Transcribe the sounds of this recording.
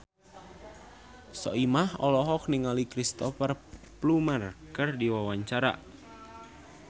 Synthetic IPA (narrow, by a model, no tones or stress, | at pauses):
sɔ̰ʔimahɔlɔɦɔk̚niŋalikɾist̪ɔfər | plumərkɨrdiwawaɲt͡ʃaɾa̰ʔ